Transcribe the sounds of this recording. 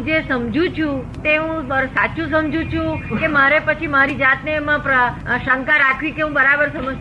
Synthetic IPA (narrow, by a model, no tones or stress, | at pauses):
d͡ʒesəmd͡ʒʱũt͡ʃʰũt̪eɦũsat͡ʃũs̬əmd͡ʒũt͡ʃʰũkemaɾepət͡ʃʰimaɾid͡ʒat̪neːmãpɾəʃəŋkaɾakʰʋikeɦũbəɾabəɾsəməd͡ʒ